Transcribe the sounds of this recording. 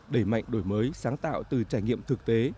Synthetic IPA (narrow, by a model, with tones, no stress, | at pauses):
ɗe˧˩ma̰˧˨jŋ̟ɗo˧˩jməː˨˦jsaː˨˦ŋt̪a̰ː˧˨wt̪ɨ˨˩t͡ɕaː˧˩jŋḭ˧˨əmt̪ʰɨ˨˩k̚t̪e˨˦